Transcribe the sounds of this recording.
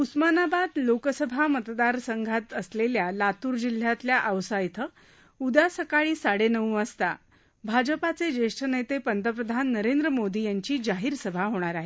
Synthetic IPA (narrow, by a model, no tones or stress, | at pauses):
usmanabad̪lokəsəbʱamət̪d̪aɾsəŋɡʱat̪əsleljalat̪uːɾd͡ʑil̤ːjat̪ljaʔəʋsajt̪ʰə | ud̪asəkaɭiːsaɽenəʋũəst̪a̰ | bʱad͡ʑəpat͡sed͡ʑeʂʈʰənejt̪epənt̪əpɾəd̪ʱanːəɾend̪ɾəmod̪ijaɲt͡ɕiːd͡ʑaɦiːɾsəbʱaɦoɽ̃aɾaɦe